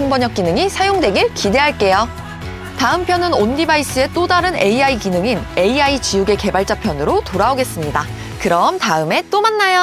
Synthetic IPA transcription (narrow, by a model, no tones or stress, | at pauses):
uŋbʌɲʌk͈inɯŋisʰajoŋdwe̞ɡiɭkide̞ɦaɭk͈e̞jo | taɯmpʰjʌnɯnondibais͈ʰɯe̞t͈odaɾɯne̞iaikinɯŋine̞iait͡ɕijuɡe̞ke̞baɭt͡ɕ͈apʰjʌnɯɾotoɾaoɡe̞s͈ɯmɲida | kɯɾʌmtaɯme̞t͈omanːajo